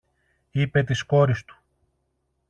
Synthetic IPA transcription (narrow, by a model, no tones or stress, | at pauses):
ipe̞t̪̬isko̞ɾist̪u̥